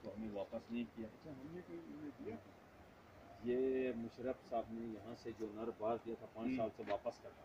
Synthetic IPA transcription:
t̪oɦɐmẽʋaːpəsnɐɦĩkijaːɐtːʃʰaɦɐmnekoːimed̪ia | jeːmʊʃɾəfsaːbnejɐɦãsed͡ʒoːnɐɾbaːɾd̪ijat̪ʰapãːt͡ʃsaːlseʋaːpəskɐɾt̪aː

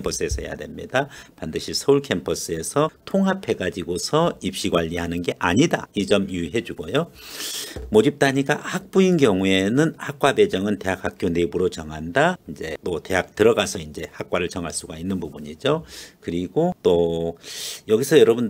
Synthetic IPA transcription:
mpʰʌs͈ɯe̞sʰʌɦeja̰dwe̞mɲḭdapandɯɕʰisʰʌuɭkʰe̞mpʰʌs͈ɯe̞sʰʌtʰoŋɦapʰe̞ɡad͡ʑiɡosʰʌip̚ɕ͈iɡwaʎːiɦanɯnɡe̞ʔaɲida̰id͡ʑʌmuɦe̞d͡ʑuɡojo | mod͡ʑip̚t͈aɲik͈ahak̚p͈uinɡjʌŋue̞nɯnhak̚k͈wabe̞d͡ʑʌŋɯnte̞ɦak̚hak̚k͈jonebuɾot͡ɕʌŋɦandaind͡ʑe̞tote̞ɦak̚tɯɾʌɡasʰʌind͡ʑe̞hak̚k͈waɾɯɭt͡ɕʌŋɦaɭs͈uɡainːɯnpubuɲid͡ʑokɯɾiɡot͈o | jʌɡisʰʌjʌɾʌbun

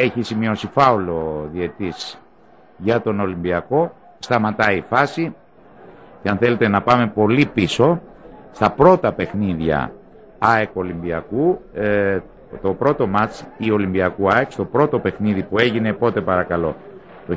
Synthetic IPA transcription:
eçisimio̞sifɐulo̞ðie̞t̪is | ʝɐt̪o̞no̞limbiɐko̞ | st̪ɐmɐt̪ɐifɐsi | ceɐnθe̞le̞t̪e̞nɐpɐme̞po̞lipiso̞st̪ɐpɾo̞t̪ɐpe̞xniðʝɐ̰ | ɐeko̞limbiɐku | t̪o̞pɾo̞t̪o̞mɐt͡sio̞limbiɐkuɐekst̪o̞pɾo̞t̪o̞pe̞xniðipue̞ʝine̞po̞t̪e̞pɐɾɐkɐlo̞ | t̪o

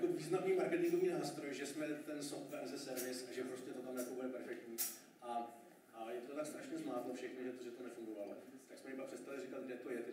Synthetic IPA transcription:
jkoviːznamniːmaɾkɛt̪ɪŋɡo̞viːnaːst̪ɾojʒɛsmɛt̪ɛnsoft̪vɛɾzɛsɛɾvɪsʔaʒɛpɾo̞scɛt̪ot̪amjakobudɛpɛɾfɛk̚t̪ɲiː | ʔa | ʔajɛt̪ot̪akst̪ɾaʃɲɛzmaːt̪lofʃɛxnoʒɛt̪oʒɛt̪onɛfuŋɡovalot̪aksmɛɪpakpr̥ɛt̪st̪avlɪrɪkad̪̚ɡdɛt̪o̞jɛt̪ɛ

